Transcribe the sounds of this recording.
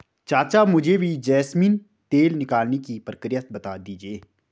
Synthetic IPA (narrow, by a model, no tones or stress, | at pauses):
t͡ʃaːt͡ʃamʊd͡ʒʱebʱid͡ʒɛːsmĩːn | t̪eːlnɪkaːlnekipɾəkɾɪjət̪̚bɐt̪ad̪iːd͡ʒieː